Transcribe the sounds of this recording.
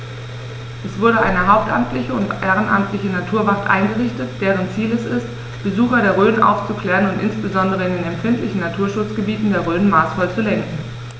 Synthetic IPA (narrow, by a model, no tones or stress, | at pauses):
ʔɛsv̥ʊɐɾəʔaɪnəɦaʊp̚tʔa̰mtʰlɪçəʊntʔeːʁənʔa̰mtlɪçənatʰuːɐvaχtʔa̰ɪnɡəʁɪçtətd̥eːʁənt͡siːlɛsɪst | b̥əzuːxɐɾeːɐʁøːnʔa̰ʊft͡sukl̥ɛːʁənʊntʔɪnsb̥əzɔndəʁ̞əɪndeːnɛmfɪntlɪçn̩natʰuːɐʃʊt͡sɡ̥əbiːtn̩deːɐʁøːnmaːsfɔlt͡sulɛŋkŋ̩